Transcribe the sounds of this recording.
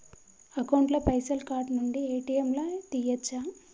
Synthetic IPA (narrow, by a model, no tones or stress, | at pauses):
ɐkɐwɳʈlɐpɐjsɐlkaːɾʈnuɳɖieːʈijemlɐt̪ijɐt͡ʃːa